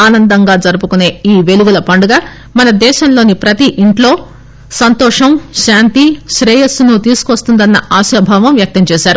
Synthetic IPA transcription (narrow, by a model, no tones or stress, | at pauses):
aːnɐnd̪ɐŋɡaːd͡ʒɐɾupukune̞ːiːʋe̞luɡulɐpɐɳɖuɡaː | mɐnɐd̪ɛːʃɐmlo̞ːnipɾɐt̪iʔiɳʈlo̞ː | sɐnt̪ɔːʂɐmʃaːnt̪iʃɾɛːjɐsunut̪iːsukʋɐst̪und̪ɐnːɐaːʃɐbʱaːʋɐmʋjɐk̚t̪ɐmt͡ʃɛːʃaːɾu